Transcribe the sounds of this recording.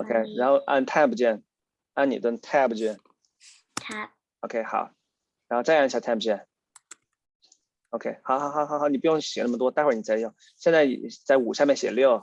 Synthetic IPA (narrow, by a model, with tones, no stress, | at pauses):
o˧ʊkʰe˥ɪɻa˧˥nxo˥˧ʊʔa̰˥˩nt̪ʰa˥˧pu˨t͡ɕjɛ˥˩n | a˥˩nḭ˨˩t̪wə˥nt̪ʰa˥˩bu˨t͡ɕjɛ˥˩n | t̪ʰa˥˩ | o˧ʊkʰe˥xɑ̰˨˩˦ʊ | ɻa˧˥nxo˥˧ʈ͡ʂa˥˧˥ɕja˧˩t̪ʰa˥˩pbu˩t͡ɕjɛ˥˩n | o˧ʊkʰe˥ɪxɑ˨˦ʊxɑ˨˧˦xɑ˨˩˦xɑ˨˧˦xɑ˨˧˦ni˨˩pu˥˧˩jʊ˥˩ŋɕjɛ˨˩na˥˩mə˩t̪wɔ˥t̪a˥˧xwa˥˩ni˨˩t͡sɪjɑ˥˩ | ɕjɛ˥˧nt͡sa˥ɪ̰˨˩t͡sa˥˩ɪu˨˩ɕjɑ˥˧mjɛ˥˩nɕjɛ̰˨˩ljo˥˩ʊ